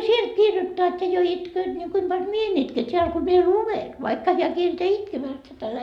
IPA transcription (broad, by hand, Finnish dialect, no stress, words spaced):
sielt kirjotːoɑt jɑ jo itkøːt ni kuim b̥ɑlʲ mie en itke tʲeæl ko mie luʋen ʋɑikːɑ heæ kielteæ itkemæːst et ælæ